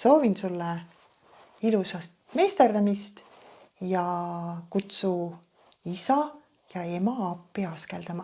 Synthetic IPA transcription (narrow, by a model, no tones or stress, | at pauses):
so̞ːvinsulːe | ilusɑst̪me̞ːst̪erd̪ɑmist̪ | jɑkut̪su | isɑ | jɑe̞mɑɑpːiɑskeld̪ɑmɑ